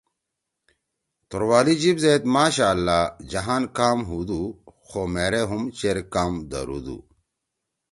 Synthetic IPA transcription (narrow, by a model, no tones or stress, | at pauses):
t̪oɾwaːlid͡ʑibzeːt̪maːɕaːlːad͡ʑɐɦaːnkaːmɦud̪uxoːmeɾeɦumt͡ɕeɾkaːmd̪ɐ̰ɾṵd̪ṵ